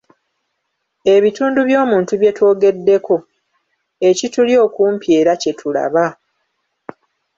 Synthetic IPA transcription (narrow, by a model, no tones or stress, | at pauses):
e̞βituːnduβjo̞ːmuːntuβje̞two̞ːɡe̞dːe̞ko̞ | e̞cituljo̞ːkuːmpje̞ːɾace̞tʰula̰βa